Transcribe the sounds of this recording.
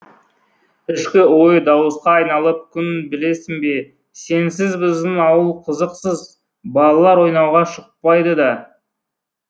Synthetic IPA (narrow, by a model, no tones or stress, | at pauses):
ɪʃkʲɪwo̞jəd̪ɑwəsqɑːjnɑlˠəp̚kʲʰʏnbɪle̞sɪŋbe̞ | se̞nsɪzbɪzd̪ɪnɑwəlˠqʰəzəqsəz | bɑlˠɑlˠɑɾwo̞jnɑwʁɑʃəq̚pɑjd̪əd̪ɑ